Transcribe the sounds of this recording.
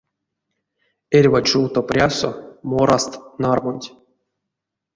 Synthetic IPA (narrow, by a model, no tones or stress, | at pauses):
erʲvat͡ʃuwt̪oprʲasomoɾast̪narmonʲtʲ